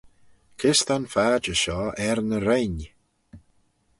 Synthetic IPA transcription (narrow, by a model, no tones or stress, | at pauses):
kʰɪst̪anfaːd͡ʒəʃɔːɛɾnəɾejn